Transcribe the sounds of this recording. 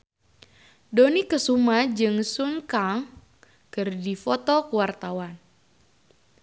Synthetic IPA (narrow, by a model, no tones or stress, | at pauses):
donikəsumad͡ʒɨŋsuŋkaŋ | kɨrdifɔt̪ɔkəwart̪awan